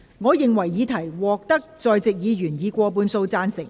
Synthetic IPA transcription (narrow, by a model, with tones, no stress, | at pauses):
ŋɔː˨˧jɪ˨ŋwɐ˨˩jːiː˨˧˥t̪ʰɐ˨˩jwɔː˨k̚t̪ɐ˥k̚t͡sɔː˨jt͡sɪ˨k̚jiː˨˧ɥyː˨˩njiː˨˧kʷɔː˧p̬uː˨˧nso˧wt͡saː˧nsɪ˨˩ŋ